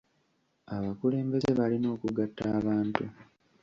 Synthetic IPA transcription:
aβakule̞ːmbe̞ze̞βalino̞ːkuɡatʰːaːβaːntu

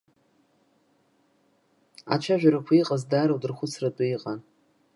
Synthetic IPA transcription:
a̰t͡ʃʰaʒᶣʷaɾakʷʰaiqʼazdaːɾawdɨrχʷʊt͡sʰratʼʊiqʼan

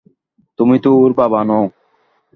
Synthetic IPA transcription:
t̪ʊmĩːt̪uːuɾpaːbaːnõː

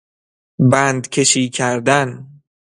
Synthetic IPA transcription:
bænd̪cʰe̞ʃiːcʰæɾd̪æn

